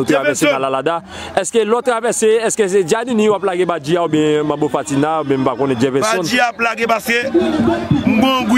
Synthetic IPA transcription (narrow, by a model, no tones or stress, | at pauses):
otɾavvɛsekãlalada | ɛskelɔtɾavɛseɛskesed͡ʒadĩnĩwaplaɡebad͡ʒiaobɛ̃mãbofatinaobɛ̃mbakɔ̃nɛd͡ʒɛvɛ̃saɔ̃nd͡ʒiaplaɡepaske | ŋ̩ɡ͡bõɡu